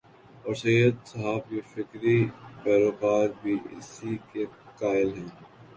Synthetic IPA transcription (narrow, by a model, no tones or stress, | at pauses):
ɔːɾsejːəd̪sɐɦaːbjefɪkɾibɛːɾoːkaːɾbʱiːʔɪ̰sikekaːɪlɦɛ̃ː